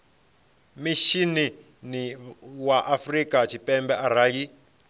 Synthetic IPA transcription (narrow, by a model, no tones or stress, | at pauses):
miʃini | niwaʔafrikʼat͡ʃʰipɛmbɛʔaɾaji